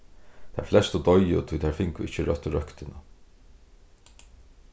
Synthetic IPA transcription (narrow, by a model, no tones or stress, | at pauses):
t̪ʰæ̰ɹflɛst̪ʊt̪ɔjʊ̰t̪ʰʊjt̪ʰæɾfɪŋkʊʔɪt͡ʃəɾœt̪ːɾœkt̪ɪna